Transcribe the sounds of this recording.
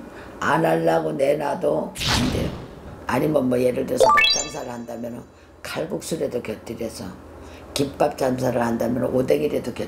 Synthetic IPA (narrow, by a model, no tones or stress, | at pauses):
anaɭːaɡone̞nadoande̞̰joaɲimʌnmʌjeɾɯɭdɯsʰʌpok̚t͡ɕ͈ans̬ʰaɾɯɭhandamjʌnɯn | kʰaɭɡuk̚s͈uɾe̞dokjʌt͈iɾesʰʌ̰ | kip̚p͈ap̚t͡ɕ͈ans̬ʰaɾɯɭhandamjʌnɯʔode̞ɡiɾe̞dokjʌ